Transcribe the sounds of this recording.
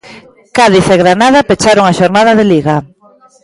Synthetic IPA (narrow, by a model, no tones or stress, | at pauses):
kaðiθeɣɾanaðapet͡ʃaɾoŋaʃoɾnað̞aðeliɣa